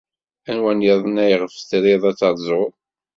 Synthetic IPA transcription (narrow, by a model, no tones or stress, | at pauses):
ænwænjəðˤənæjʁəfθɾiðˤæt͡sːɑɾˤzˤo